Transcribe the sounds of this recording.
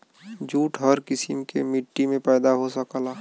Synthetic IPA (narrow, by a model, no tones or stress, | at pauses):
d͡ʒuːʈɦəɾkɪsimkemɪʈːimẽpɛːd̪aɦosəkːlaː